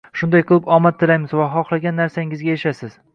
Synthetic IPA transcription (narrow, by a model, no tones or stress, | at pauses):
ʃʊnd̪ajqʰɨlˠɪpɒmat̪ʰːɪlajmɪzvaɦɒχlˠaɡʲanːaɾsaɪŋɪzɡʲajaʃasɪz̥